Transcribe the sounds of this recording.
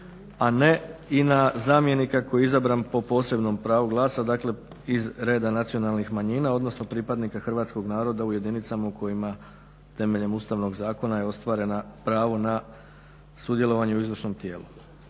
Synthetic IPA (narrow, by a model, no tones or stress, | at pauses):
ane̞inazaːmje̞nikako̞jizabɾanpo̞po̞ːse̞bno̞mpɾaːʋuɡlˠaːsad̪aːkle̞ | izɾe̞ːd̪anat̪sio̞nalˠnixmaɲiːnao̞d̪no̞sno̞pɾipad̪nikaxrʋaːt̪sko̞ɡnaːɾo̞d̪auje̞d̪init̪samaukʰo̞jima | t̪e̞me̞ʎe̞must̪aʋnoɡzaːko̞najeo̞st̪ʋaːɾe̞napɾaːʋona | sud̪je̞lo̞ʋaɲeuizʋr̩ʃno̞mt̪je̞ːlu